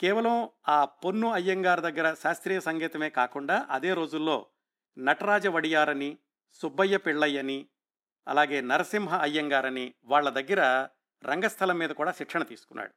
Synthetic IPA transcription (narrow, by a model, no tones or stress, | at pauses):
kɛːʋɐlɐmaːponːuɐjːɐŋɡaːɾɐd̪ɐɡːɐɾɐʃaːst̪ɾiːjɐsɐŋɡiːt̪ɐme̞ːkaːkuɳɖaːʔɐd̪eːɾo̞ːd͡ʒulːo̞̰ː | nɐʈɐɾaːd͡ʒɐʋɐɽijaːɾɐni | subːɐjːɐpiɭːɐjːɐni | ɐ̰laːɡe̞ːnɐɾɐsimɦɐʔɐjːɐŋɡaːɾɐniʋaːɭːɐd̪ɐɡːɐɾɐ | ɾɐŋɡɐst̪ʰɐlɐmːiːd̪ɐkuːɽaːʃiʈʂʰɐɳɐt̪ḭːsu̥kunːa̰ːɽu